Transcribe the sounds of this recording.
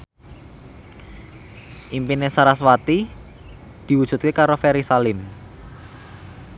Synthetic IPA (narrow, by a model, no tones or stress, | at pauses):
ʔimpinesaɾaswat̪i | d̪̥i̤wudʒ̥ṳt̪̚kekaɾofɛɾisalɪm